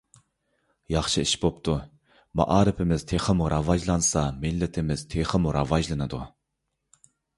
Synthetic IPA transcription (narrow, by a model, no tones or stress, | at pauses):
jɑχʃɨiʃbop̚t̪ʰu | mɑ̰ʔɑːɾɨpʰɪmɪz̥t̪ʰeχəmuɾʔɑvɑʒlˠɑnsɑmɪlːɪt̪ʰɪmɪz̥t̪ʰeχəmuɾɑvɑʒlˠɨnɨd̪u